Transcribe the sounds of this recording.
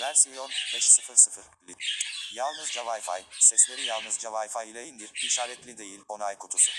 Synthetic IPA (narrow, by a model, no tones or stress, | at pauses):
væɾsionbɛt͡ʃsɨfɯɾsɯfɯɾlʲijalˠnɯzd͡ʒavajfa̰jsɛslʲe̞ɾijalˠnɯzd͡ʒavajfajilʲejind̪iɾiʃaːɾɛt̪lʲid̪e̞jilʲonajkʰut̪ʰusu